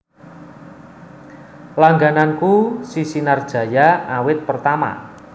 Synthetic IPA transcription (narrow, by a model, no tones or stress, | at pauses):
laŋɡanankusisinard̥ʒ̥ä̤jaawɪt̪̚pərt̪ama̰